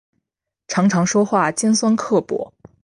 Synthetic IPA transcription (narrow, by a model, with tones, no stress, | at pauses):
ʈ͡ʂʰɑ˧˥ŋʈ͡ʂʰɑ˧˥ŋʂwɔ˥xwa˥˩t͡ɕjɛ˥nswa˥nkʰɤ˥˩pwɔ̰˨˧˥